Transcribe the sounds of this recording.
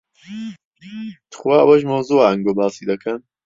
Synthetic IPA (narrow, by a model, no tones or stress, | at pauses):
t̪ʰxwaːʔɐwɐʒmɐwzuaʔɐŋɡobaːsid̪ɐkʰɐn